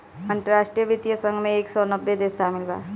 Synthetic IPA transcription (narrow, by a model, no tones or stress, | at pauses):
ɐ̃nt̪əɾaːʃʈɾijəʋɪt̪ijəsə̃ŋɡmẽeːksɔnəbːed̪eːsʃaːmɪlba̰ːɾ